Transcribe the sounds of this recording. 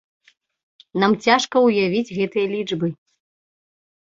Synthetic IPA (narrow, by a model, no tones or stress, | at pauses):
namt͡sʲaʂkɐwjavʲid͡zʲɣɛt̪ɨjɐlʲid͡ʐbɨ